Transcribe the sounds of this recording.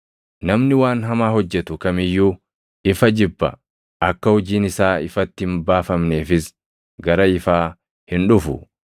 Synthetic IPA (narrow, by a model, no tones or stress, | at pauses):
nɐmnɪwaːnɦɐmaːɦɔd͡ʒːɛt̪ʊkɐmɪjːuː | ɪfɐd͡ʒɪbːɐ̰ | ʔɐkːɐhɔd͡ʒiːnɪsaːɪfɐt̪ːɪhɪmbaːfɐmne̞ːfɪs | ɡɐɾɐɪfaː | hɪnᶑʊfʊ